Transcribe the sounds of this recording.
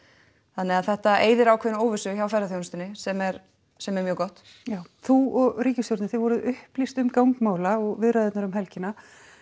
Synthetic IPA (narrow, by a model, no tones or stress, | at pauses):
θanɛɣaðθɛht̪aʔeːjðɪɾawkʰɛnoːwvɪsʏçawfɛrːaθjownst̪ɪnːɪsɛmɛɾ | sɛmɛɾmjœːɣkɔht̪ | jaːwθuɔɣriːcɪst̪joɾt̪nɪθevɔɾʏðʏhplist̪ʏmkawŋkmaːwlaɔɣvɪðɾajðɪt̪naɾʏmɦɛlcɪna